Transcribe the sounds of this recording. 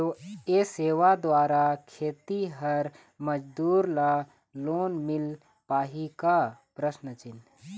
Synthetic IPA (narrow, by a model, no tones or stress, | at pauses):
oeːseːʋad̪waːɾakʰeːt̪iɦəɾ | məd͡ʒd̪uːɾla | loːnmɪl | paːɦikapɾəʃnət͡ʃɪn